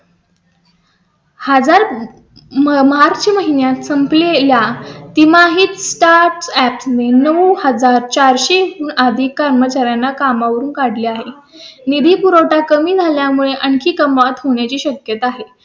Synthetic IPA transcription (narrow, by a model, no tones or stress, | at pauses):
həd͡zaɾ | məɦaɾt͡ɕiːməɦinjat̪səmpleljat̪imaɦiːt̪sʈaɾʈsæpsnenəʋhəd͡zaɾt͡ɕaɾɕeɦuːnad̪ʱiːkːaɾmət͡ɕaɾjanːakamaʋəɾuːnkaɽliːaɦe | nid̪ʱiːpuɾowʈakəmiːd͡zʱaljamuɭeʔəɳkʰiːkəmʋat̪ɦoɳ̃jat͡ɕiːɕəkjət̪aɦe